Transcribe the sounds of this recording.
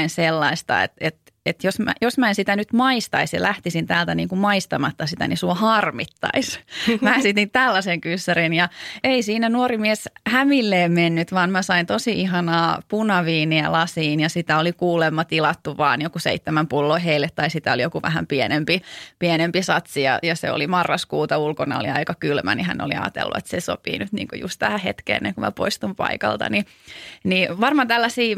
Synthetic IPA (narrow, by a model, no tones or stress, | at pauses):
inselːɑist̪ɑ̰ḛt̪et̪ | et̪josmæ̰josmæensit̪ænyt̪mɑist̪ɑisjɑ̰lʔæht̪isint̪æːlt̪ænḭːŋkumɑist̪ɑmɑt̪ːɑsit̪æ̰nisuohɑrmit̪ːɑ̰ismæːsit̪int̪ælːæseŋkysːærinjɑeisiːnænuorimieshæmilːeːmmenːyt̪ʋɑːnmæsɑint̪osiiɦɑnɑːpunɑʋiːniælɑsiːnjɑsit̪æolikuːlemːɑt̪ilɑt̪ːuʋɑ̰ːnjokusḛit̪ːemæmpulːoiɦeilːet̪t̪ɑisit̪æolijokuʋæ̰hæmpienempipienempisɑt̪sijɑ̰jɑsḛo̰limɑrːɑskuːt̪ɑulkonɑ̰oliɑikɑkylmæ̰nihæ̰no̰lḭɑ̰ːt̪ḛlːṵḛt̪seso̰pḭːnyt̪nḭːŋkujṵst̪t̪æhæhḛt̪kḛːnːḛkumæ̰po̰ist̪umpɑ̰ikɑ̰lt̪ɑ̰ni | niʋɑrmɑt̪ælːæsiː